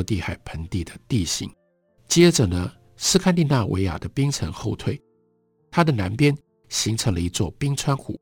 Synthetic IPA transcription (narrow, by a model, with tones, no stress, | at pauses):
t̪i˥˩xa˨˩ɪpʰə˧˥nt̪i˥˩d̪ə˩t̪i˥˩ɕḭ˧˥˦ŋ | t͡ɕjɛ˥ʈ͡ʂə˨˩nə˦ | s̩˥˧kʰa˥nli˥˧na˥˩wʔḛ˧˥ɪja̰˨˩d̪ə˦pi˥ŋt͡sʰə˧˥ŋxo˥˧ʊt̪ʰwe˥˩ɪ | t̪ʰa˥d̪ə˨na˧˥npjɛ˥n | ɕi˧˥ŋt͡sʰɤ˧˥ŋlə˧i˧˥t͡swɔ˥˩pi˥ŋt͡sʰwa˥nxṵ˨˦